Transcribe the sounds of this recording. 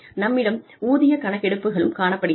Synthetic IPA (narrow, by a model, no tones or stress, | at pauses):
nɐmːɪɽɐm | uːðɪjɐkɐɳɐkːɛɽɯpːɯɣɐɭɯmkaːɳɐpːɐɽɪ